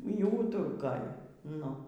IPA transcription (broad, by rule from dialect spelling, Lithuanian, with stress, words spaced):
iː ˈuːtʊrkoːj ˈnʊ